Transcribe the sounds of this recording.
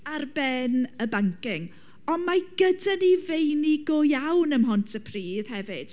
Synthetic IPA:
arbɛnəbaŋkɪŋ | ɔnmaɡ̥ədanivejniɡɔjawnəmɦɔntʰəpʰriːð̥hɛvɨd̥

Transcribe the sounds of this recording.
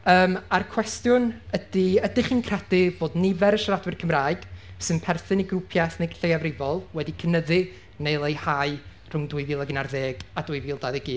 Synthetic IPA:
əːmarkʰw̥ɛstjʊnədɪədɪχiːnkʰrɛdɪb̥oːdnɪvɛɾəʃaɾadwɨrkʰəmraːɨɡ̥sɨnpʰɛrθɨniɡrupʰjaθnejɡɬejavrɪvɔlˠwɛdikʰənəðɪ | nejlˠejhaɨ | r̥ʊŋdʊɨviːlˠaɡɪnarðeːɡ̥adʊɨviːlˠdaðɛɡiː

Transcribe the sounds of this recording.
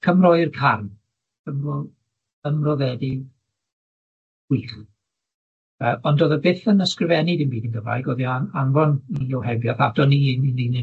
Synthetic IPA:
kʰəmrɔɨrkʰarm | kʰəmrɔ | əmrɔðɛdɪ | wiːχ | əɔndoːðəbɪθənəskrɪvɛnidɪnbiːdinɡəva̰jɡɔðiananvɔniɔwhɛbjɔθadɔninnini

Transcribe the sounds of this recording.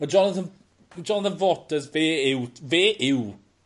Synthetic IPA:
əd͡ʒɔnəθən | d͡ʒɔnəθənvɔtəzveːɪwveːʔɪw

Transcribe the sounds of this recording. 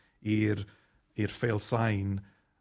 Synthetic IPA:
iɾ | irfelˠsajn

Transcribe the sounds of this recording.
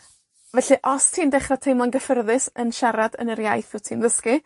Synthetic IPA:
vɛɬɨʔɔstʰiːndɛχratʰejmlˠanɡəfərðɨsənʃaɾadə̰nəɾjajθɨtʰiːnðəskɨ

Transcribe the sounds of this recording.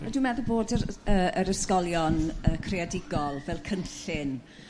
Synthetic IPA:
nadwimɛðəboːdəəəɾəskɔlˠjɔnəːkʰreadɪɡɔlˠvɛlˠkʰənɬɪn

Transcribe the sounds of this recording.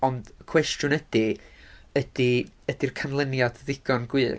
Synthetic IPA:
ɔnd̥kʰw̥ɛstjʊnəd̥i | əd̥iəd̥irkʰanlˠənjadðɪɡ̥ɔnɡwɨː

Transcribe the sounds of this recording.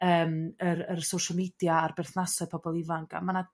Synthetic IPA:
əːməɾərsowʃalˠmidjaːrbɛrθnasɔpʰɔbɔlˠɪvaŋkʰa̰mana

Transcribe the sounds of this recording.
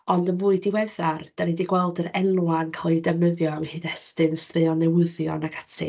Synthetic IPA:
ɔndənvuːɨdiwɛðard̥anɛdiɡwɛlˠdəɾɛlwankʰalˠidɛməðjɔawɛhɨnɛstɨnstrɨɔnɛwɪðjɔ̰naɡʰḁtʰɪ̰

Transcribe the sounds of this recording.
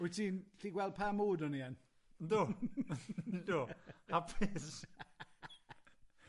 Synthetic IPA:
ʊtʰiːnɬiːɡwɛld̚pʰamoːdɔniɛn | ndo | dohapʰɪs

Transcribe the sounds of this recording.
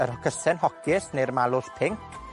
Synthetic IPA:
əɾhɔkʰəsɛnhɔkʰɪsnejrmalˠʊspʰɪŋkʰ

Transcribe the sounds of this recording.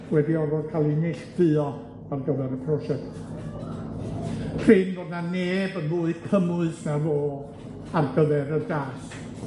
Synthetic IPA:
wɛdiɔrvɔd̥kʰalˠinɛɬdɨɔ | arɡəvɛɾəpʰrɔsɛkt | rɪnboːdnaneːbənvuːɨ̥kʰəmʊɨsnavoː | arɡəvɛɾədaːs

